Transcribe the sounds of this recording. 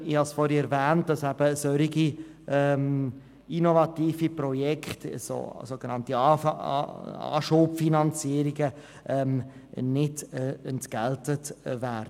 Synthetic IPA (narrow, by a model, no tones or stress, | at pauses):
ihɑsfɔɾiɛɾvɛːnt̚d̥ɑsɛb̥əsœɾiɡi | ʔɛm | inovɑtiːfiprɔjɛkχtso̰soɡ̥ənɑnti | ɑ̰ːʃoːpfinɑnt͡siəɾiɡə | ʔɛmnɪdɛntɡ̥ɛltətvɛɾd